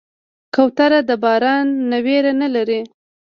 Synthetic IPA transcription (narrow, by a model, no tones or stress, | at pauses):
kawt̪aɾad̪əbɑɾɑnːaweɾanalaɾi